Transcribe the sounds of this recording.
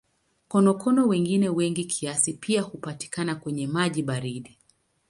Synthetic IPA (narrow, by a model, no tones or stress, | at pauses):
kɔnɔkʰɔnɔwɛŋɡinɛwɛŋɡikʰiasipʰiahupati̥kanakwɛɲɛmaʄiɓaɾiɗi